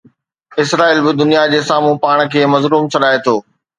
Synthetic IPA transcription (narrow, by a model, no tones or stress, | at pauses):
ɪsɾaːiːlbɪd̪ʊnijad͡ʑeːsaːmũpaːɽ̃̆kʰeːmɐzɾuːmsɐɗaːet̪ʰoː